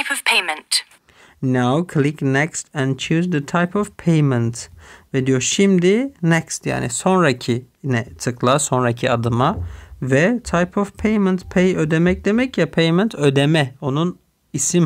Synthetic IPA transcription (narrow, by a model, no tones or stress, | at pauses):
pʰəv̥pʰeɪmə̃nt | nawkʰlɪknɛkst̪ɛ̃nt͡ʃʰʉːzðət̪ʰaɪpɔvpʰeɪmə̃nt̪vɛd̪joʃɪmd̪ɪnɛkst̪ja̰ːnɪ̰sɔnɾacʰɪ | nɛt̪ʰɯklˠasɔnɾakʰiad̪ɯmavɛt̪ʰajpʰɔvpʰejmə̃nt̪pʰejød̪ɛmɛk̚d̪̥ɛmɛkjapʰejmɛ̃nt̪ʰød̪ɛmɛonun | isɪm